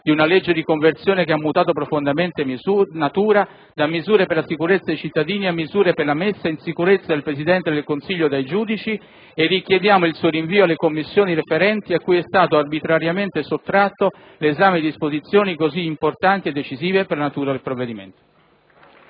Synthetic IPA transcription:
d̪iunaled͡ʒːed̪ikoɱvert̪sjoːnekeamːut̪aːt̪opɾofond̪ament̪eunat̪uːɾa | d̪amːizuːɾeperlasikuɾet̪sːad̪ejt͡ʃit̪ːad̪iːniamːizuːɾeperlamesːainsikuɾet̪sːad̪elpɾezid̪ɛnt̪ed̪elkonsiʎːod̪ajd͡ʒuːd̪it͡ʃi | erːik̟jed̪jaːmoilsuːoɾiɱviːoalːekomːisːjoːniɾefeɾɛnt̪iakːujɛst̪aːt̪oarbit̪ɾaɾjament̪esot̪ːɾat̪ːo | lːzaːmed̪iispozit̪sːjoːnikoziːmport̪ant̪ied̪ːet͡ʃiziːveperlanat̪uːɾad̪elpɾovːed̪imḛnt̪o̥

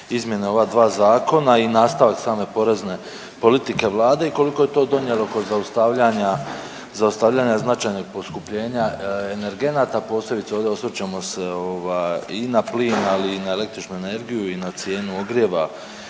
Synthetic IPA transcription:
izmje̞neo̞ʋaːd̪ʋaːzaːko̞nainaːst̪aʋaksaːme̞po̞ɾe̞zne̞ | po̞lit̪ike̞ʋlˠaːd̪e̞iko̞liko̞jet̪o̞ːd̪o̞ɲje̞lˠo̞ko̞zaust̪aʋʎaɲa | zaust̪aʋʎaːɲaznat͡ʃaːjno̞ɡ̚po̞skupʎe̞ːɲaene̞ɾɡe̞naːt̪apo̞ːsle̞bit̪seo̞ːvd̪ʲeo̞sʋet͡ɕamo̞se̞o̞ʋajinapliːnaliːnae̞le̞k̚t̪ɾit͡ʃnue̞ne̞ɾɡijuinat̪sje̞ːnuo̞ɡɾje̞ʋa

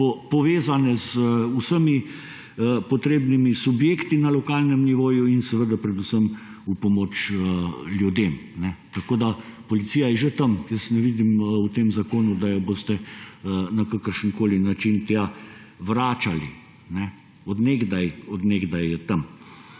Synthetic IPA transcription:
pɔpɔʋeːzanɛzəusəmi | pɔt̪ɾeːbnimisubjeːkt̪inalɔkaːlnɛmniʋoːjuinsɛʋəd̪apɾɛd̪usəm | upɔmoːt͡ʃəljud̪eːmnɛt̪akoːd̪apɔlit̪siːjajɛʒet̪əmjəst̪nɛʋiːd̪imut̪emzakoːnud̪ajɔbost̪ɛ | nakakəɾʃənkoːlinat͡ʃint̪a | ʋɾaːt͡ʃali | nɛ | ɔd̪neɡd̪ajɔd̪neɡd̪ajɛt̪am

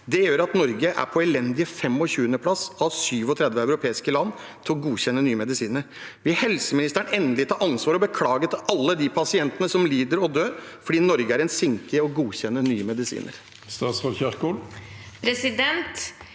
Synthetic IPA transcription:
d̪ɛjøːɾɑt̪nɔɾɡəʔæ̰ɾpʰɔɛlɛnd̪ɪəfɛmːɔɕʉːənəpʰlɑsɑʋsyːʋɔt̪ʰɾɛd̪ʋəæʉɾʊpʰeːɪskəlɑnː | t̪ʰɪlɔɡuːɕɛnːənyːəmɛd̪ɪsiːnəɾʋɪhɛlsəmɪnɪst̪æɳɛnd̪əlɪt̪ʰɑːɾɑnsʋɑːɾɔbəkʰlɑːɡət̪ʰɪɑlːəd̪ipʰɑsɪɛnt̪ənəsɔmliːd̪əɾɔd̪øːɾfɔɖiːnɔɾɡəæɾɛnsɪŋkəɔɡuːçɛnːənyːəmɛd̪ɪsḭːnə̰ɾ | st̪ɑːt̪sfɔçɑɾkulpʰɾɛsɪd̪ɛnt̪

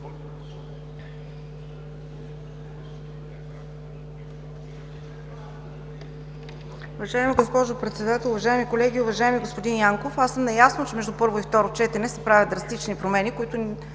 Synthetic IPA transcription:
ʊvɐʒaɛmiɡospɔʒʊpɾɛt̪sɛd̪at̪ɛlˠʊvɐʒaɛmikolɛɡʲiʊvɐʒaɛmiɡospod̪injaŋkofasɤmnɐjasnot͡ʃɛmɛʒd̪upɤɾvoift̪ɔɾot͡ʃɛt̪ɛnɛsɛpɾavʲjəd̪̚d̪ɾɐst̪it͡ʃnipɾomɛnikoit̪ʊ

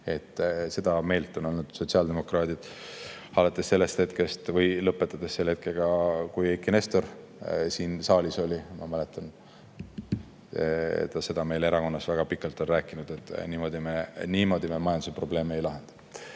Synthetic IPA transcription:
e̞t̪ˑːse̞d̪̥ɑme̞ːlt̪ːˑo̞no̞lnud̪̥so̞t̪siɑld̪e̞mo̞krɑːt̪id̪̥hɑlɑt̪ːˑesːe̞lːe̞st̪he̞t̪kest̪vɤjlɤpːˑet̪ːˑɑd̪̥esselːhe̞t̪̚ke̞lɡ̥ɑkujekːine̞st̪o̞r | siːnsɑːlʲiso̞lʲimɑmæle̞t̪ːˑɑn | ḛt̪ːˑɑse̞d̪̥ɑme̞jle̞ɾɑko̞nːɑsvæɡ̥ɑpikːˑɑlt̪ˑo̞nræːkːˑinud̪̥e̞t̪ˑːniːmo̞d̪imeniːmo̞d̪̥imemɑjɑnd̪usepro̞ble̞ːmeejlɑɦe̞nd̪̥ɑ̥

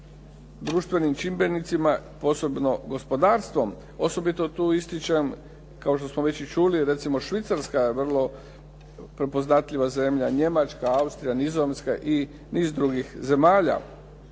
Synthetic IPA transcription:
d̪ɾuːʃt̪ʋe̞nimt͡ʃimbe̞nit̪simapo̞so̞bno̞ɡo̞spo̞d̪aːɾst̪ʋo̞m | o̞so̞bit̪o̞t̪uːist̪it͡ʃem | kao̞ʃt̪osmoʋe̞t͡ɕit͡ʃuliɾe̞t̪simo̞ʃʋit̪saɾskajeʋr̩lˠo̞ | pɾepo̞znat̪ʎʲiʋaze̞mʎaɲe̞mat͡ʃkaaust̪ɾijanizomskaʔi | niːzd̪ɾuɡixze̞maːʎa̰

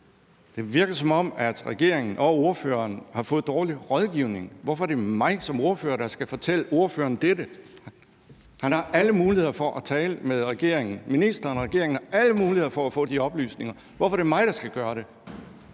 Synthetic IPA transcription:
d̥e̝ʋiɐɡ̥ɐsɒ̽mɒ̽m̰æd̥ʁɛɡ̥e̝ɐ̰eŋn̩ʔɒ̽o̝ɐfø̰ːɐnhɑ̈fɔ̽ːð̩ˠd̥ɒːliʁɒ̽ðˠɡ̥iʊne̝ŋʋɒfɒæd̥e̝mɑ̈ɪsɒ̽mo̝ɐfø̰ːɐd̥ɑ̈sɡ̥æfɒ̽t͡sʰel̰əo̝ɐfø̰ːɐːnd̥edə | hænɑ̈ʔæləmuːlihe̝ð̰ˠɐfɒ̽ʔæt͡sʰɛːləmeðˠʁɛɡ̥e̝̰ɐ̰e̝ŋn̩minisd̥ɐːnʁɛɡ̥e̝ɐeŋn̩ɑ̈ʔæləmuːlihe̝ðˠɐfɒ̽æfɔ̰̽ːd̥iɒ̽b̥ly̰ːsne̝ŋɐ | ʋɒfɒɾ̥emɑ̈ɪɾ̥ɑ̈sɡ̥æɡ̥ɶːɐɾ̥e̝

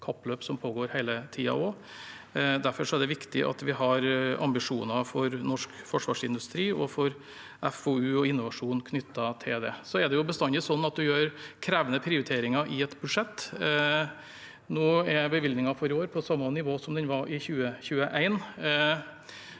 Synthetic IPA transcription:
kʰɑpløːpsɔmpʰoːɡoːɾhæɪlət̪ʰiːɑ̰ɔ | d̪æɾfɔʂɔæɖ̪ɛʋɪkt̪ɪ̰ʔɑ̰t̪ʋɪɦɑɾʔɑ̰mbɪʂuːnɑfɔɾnɔʂkfɔʂʋɑːʂɪnd̪ʉst̪ɾiːɔfɔɾ | ʔɛfoʉːɔɪnːʊʋɑʂuːnkʰnʏt̪ʰːɑt̪ʰɪld̪ɛ̰sɔɛd̪ɛjʊbəst̪ɑnd̪ɪsɔnːɑt̪̚d̪ʉjøːɾkʰɾæːʋənəpʰɾɪʊɾɪt̪ʰeːɾɪŋɑʔɪɛt̪bʉd̪ʂɛt̪ː | noːɛbəʋɪld̪nɪŋɑfɔɾɪoːɾpʰɔsɑmːənɪʋoːsɔmd̪ɛnʋɑʔɪçʉːəçʉːəʔæɪn

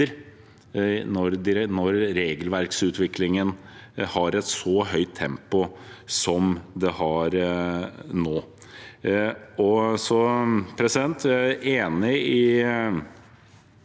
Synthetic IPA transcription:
əɾ | nɔɾd̪ɪɾnɔɾːeːɡəlʋæɾksʉːt̪ʰʋɪklɪŋən | hɑɾɛt̪sɔɦœʏt̪ʰːɛmpʊsɔmd̪ɛhɑɾ | noː | ɔsɔpʰɾɛsɪd̪ɛnt̪eːnɪɪ

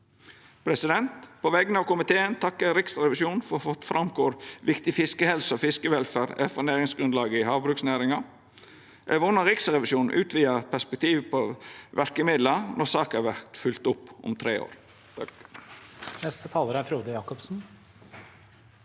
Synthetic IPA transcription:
pʰɾɛsɪd̪ɛnt̪pʰɔʋɛɡənɑːʋkʊmɪt̪ʰeːənt̪ʰɑkːəɾɪksɾɛʋɪʃjuːnfɔfɔfɾʔɑmkʰoːɾʋɪkt̪ɪfɪskəhɛlsəɔfɪskəʋɛlfæːɾɛfɔɾnæːɾɪŋsɡɾʉnd̪lɑːɡəɪhɑːʋbɾʉːksnæːɾɪŋɑ | ʔɛʋʊnːəɾɪksɾɛʋɪʃuːn̩ʔʉːt̪ʰʋiːəpʰæspɛk̚t̪ʰiːʋpʰɔʋʔæɾkəmɪd̪lənɔɾsɑːkəhɑːʋæɾt̪fʉlt̪ʊpːʊ̰mt̪ʰɾeːo̰ːɾ | nɛst̪ət̪ʰɑːləɾæɾfɾuːd̪əjɑːkɔpsn̩

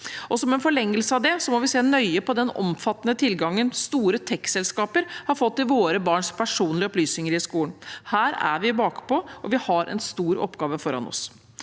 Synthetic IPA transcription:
ɔsɔmɛnfɔɭɛŋːəlsəɑʋd̪ɛsɔmɔʋɪseːnœʏəpɔd̪ɛnɔ̰mfɑt̪ːənət̪ʰɪlɡɑŋːənst̪uːɾət̪ʰɛkːsɛlskɑːpəɾhɑɾfɔt̪ːɪʋoːɾəbɑːɳʂpʰæʂuːnlɪəɔplyːsnɪŋəɾɪskuːləɳnhæːɾæ̰ɾʋɪbɑːkpɔʔɔʋɪhɑɾʔɛ̰nst̪uːɾɔ̰pːɡɑːʋəfɔɾɑ̰nɔ̰s

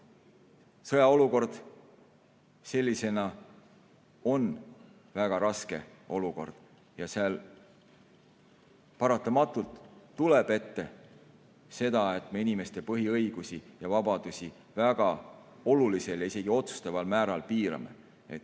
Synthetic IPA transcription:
sɤjɑo̞luko̞rd̪̥ | se̞lʲːise̞nɑ | o̞n | væɡ̥ɑɾɑske̞ | o̞luko̞̰rd̪̥ | jɑseɑl | pɑɾɑt̪ːˑɑmɑt̪ːˑult̪ːuleb̥e̞t̪ːe̞ | se̞d̪̥ɑe̞t̪me̞inime̞st̪e̞pɤɦiɤjɡ̥usijɑvɑbɑd̪̥usʲi | væɡ̥ɑo̞lulise̞ljɑise̞ɡ̥io̞t̪su̥st̪ɑvɑlmæːɾɑlpiːɾɑ̰me̞̰ | et̪ː

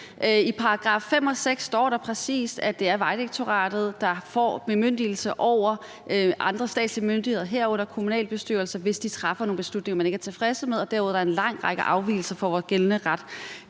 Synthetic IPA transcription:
ʔipʰɑ̈ʁɑ̈ɡ̥ʁɑ̈ːfːem̰ɒ̽seɡ̥sːd̥ɒ̰ːɾ̥ɑ̈pʰʁɛsḭːsd̥æd̥e̝æɐʋɑ̈ɪd̥eɡ̥̚t͡sʰo̝ʁɑ̰̈ːd̥ð̩ˠd̥ɑ̈fɒ̰emøn̰d̥il̩səʔɒʊ̰ɐ | ʔɑ̈nd̥ʁɐsd̥ɛ̰ːd̥slimønd̥iheðˠɐɦeɐ̰ɔ̽n̰ɐkʰomunɛ̰ːlb̥e̝sd̥y̰ɐlsɐʋe̝sd̥it͡sʰʁɑ̈fɐno̝ːnb̥e̝slud̥ne̝ŋɐmene̝ɡ̥æɐt͡sʰe̝fʁɛsəmeðˠɒ̽d̥æɐuð̰ˠd̥ɑæɐe̝nlɑ̈ŋ̰ʁɑ̈ɡ̥əʔɑ̈ʊʋḭːl̩sɐfɒ̽ʋɒːsɡ̥elnəʁɑd̥

